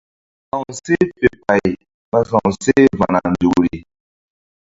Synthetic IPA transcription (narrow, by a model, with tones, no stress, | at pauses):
sa˨wse˦pe˨pa˨j | ma˦sã˨w̃se˦va˨ŋa˨nd͡ʒu˨kɾi˨